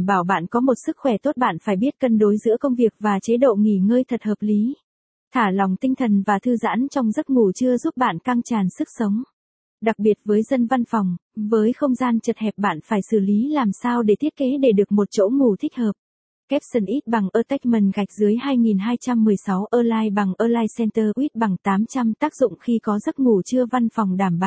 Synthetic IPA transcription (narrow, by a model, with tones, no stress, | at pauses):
ɓaː˧˩wɓa̰ː˧˨nkɔ˨˦mo˨˩t̚sɨ˦˥k̚xwɛ˧˩t̪o˦˥t̚ɓa̰ː˧˨nfaː˧˩jɓi˦˥ət̚kə˧nɗo˨˦jzɨ̰˧˥əkə˧wŋ͡mvi˨˩ək̚vaː˨˩t͡ɕe˨˦ɗo̰˧˨ŋi˧˩ŋəː˧jt̪ʰə˨˩t̚həː˨˩p̚li˨˦ | t̪ʰaː˧˩la˨˩wŋ͡mt̪ï˧ŋ̟t̪ʰə˨˩nvaː˨˩t̪ʰɨ˧za̰ː˧˥nt͡ɕɔ˧wŋ͡mzə˦˥t̚ŋu˨˩t͡ɕɨ˧əzu˦˥p̚ɓa̰ː˧˨nka˧ŋt͡ɕaː˨˩nsɨ˦˥k̚sə˨˦wŋ͡m | ɗa˨˩k̚ɓi˨˩ət̚vəː˨˦jzə˧nva˧nfɔ˨˩wŋ͡mvəː˨˦jxə˧wŋ͡mzaː˧nt͡ɕə˨˩t̚hɛ˨˩p̚ɓa̰ː˧˨nfaː˧˩jsɨ˧˩li˨˦laː˨˩msaː˧wɗe˧˩t̪ʰi˦˥ət̚ke˨˦ɗe˧˩ɗɨ˨˩ək̚mo˨˩t̚t͡ɕo̰˧˥ŋu˧˩t̪ʰï˦˥k̟̚həː˨˩p̚ | kɛ˦˥p̚sə˧˩nʔi˦˥t̚ɓa˨˩ŋʔəː˧t̪a˦˥k̚mə˨˩nɣa˨˩jk̟̚zɨ˨˦əjhaː˧jŋi˨˩nɦaː˧jt͡ɕa˧mːɨ˨˩əjsa˨˦wʔəː˧laː˧jɓa˨˩ŋʔəː˧laː˧jsɛ˧nt̪əː˧ʔwi˦˥t̚ɓa˨˩ŋt̪aː˨˦mt͡ɕa˧mt̪aː˦˥k̚zʊ̰˧˨ŋ͡mxi˧kɔ˨˦zə˦˥t̚ŋu˧˩t͡ɕɨ˧əva˧nfɔ˨˩wŋ͡mɗaː˧˩mɓa̰˧˨